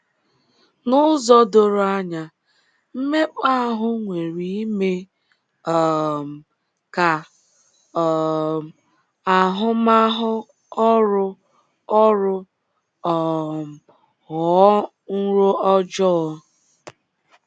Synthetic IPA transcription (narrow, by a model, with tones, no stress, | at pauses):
nʊ˦zɔ˦do˦ɾo˦a˦ɲa˨ | m̩˦me˦k͡pa˦a˦ɦʊ˦ŋʷe˨ɾi˦i˦me˦ | ɔ˨m̩˨ | ka˨ | ɔ˨ | a˨ɦʊ˦ma˦ɦʊ˦ | ɔ˦ɾʊ˦ | ɔ˦ɾʊ˦ | ɔ˨ | hɔ˨˦ | n̩˦ɾo˦ʔɔ˦d͡ʒɔ˦